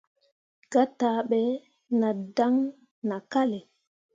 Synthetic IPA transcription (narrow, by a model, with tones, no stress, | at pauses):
ɡ̥a˦tːaː˨˦ɓɛ˨˦ | na˨da˦ŋ | na˨ka˦le˨